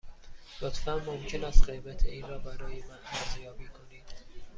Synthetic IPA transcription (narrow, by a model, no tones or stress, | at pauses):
lot̪fænmomcʰe̞næst̪ɢe̞jbæt̪ʰeiːnɾɒːbæɾɒːjemænæzjɒːbiːkʰo̞niːd̪̥